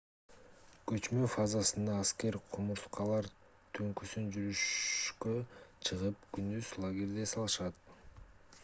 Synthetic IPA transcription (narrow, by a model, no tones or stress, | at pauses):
kø̞t͡ʃmøfazɑsɯnd̪ɑːske̞ɾqʰumuɾsqɑlˠɑɾ | t̪ʰøŋkysynd͡ʒyɾyʃkøt͡ʃʰɯʁɯp̚kynd̪yz̥lˠaɡʲeɾd̪e̞sɑlˠɯʃɑt̪̚